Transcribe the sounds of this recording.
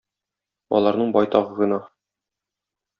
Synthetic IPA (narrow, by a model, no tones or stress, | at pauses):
ɒ̰lˠɑɾnɤɴbɒjt̪ɒʁɤʁɤ̆nɑ